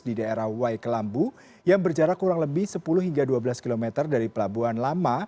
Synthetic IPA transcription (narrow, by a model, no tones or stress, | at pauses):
didaeɾahwajkəlambu | jaŋbərd͡ʒaɾakuɾaŋləbɪhsəpulʊhɦiŋɡaduabəlaskilomɛt̪ərdaɾipəlabuanlama